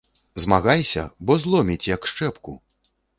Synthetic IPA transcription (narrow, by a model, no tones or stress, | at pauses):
zmaɣajsʲɐ̰bɔzlˠɔmʲit͡sʲjɐkʂt͡ʂɛpku